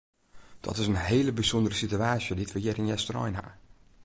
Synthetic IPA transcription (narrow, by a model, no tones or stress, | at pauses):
d̥ɔ̰tɪsənɦeːləbizondəɾəsityaːsjoditʋəjɪɾɪnjɛstrɔ̰jnɦa̰